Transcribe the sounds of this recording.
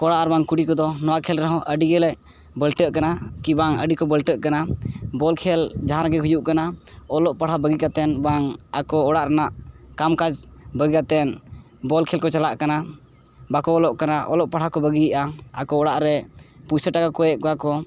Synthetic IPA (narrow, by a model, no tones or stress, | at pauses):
kɔɽaʔɾbaŋkuɽikɔd̪ɔnɔwakʰɛlɾɛɦɔ̃ʔəɖiɡɛlɛʔ | bəlʈəʔkanakibaŋəɖikɔbəlʈəʔkanabɔlkʰɛld͡ʒaɦãɾaɡɛɦujuʔkanaɔlɔʔpaɽ̤abəɡikat̪ɛnbaŋakɔːɽaʔɾanaʔkamkad͡ʒbəɡikat̪ɛn | bɔlkʰɛlkɔt͡ʃalaʔkana | bakɔɔlɔʔkanaʔɔ̰lɔʔpaɽ̤akɔbəɡijiʔaakɔɔɽaʔɾɛpusəʈakakɔjɛʔ̚kɔakɔ